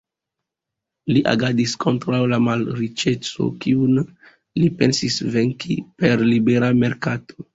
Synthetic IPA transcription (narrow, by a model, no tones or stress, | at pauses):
liʔa̰ɡadiskʰo̞ntɾawlamalɾit͡ʃe̞t͡so̞̰kiun | lipe̞nsisveŋkʰipe̞ɾlibe̞ɾame̞ɾkatʰo̥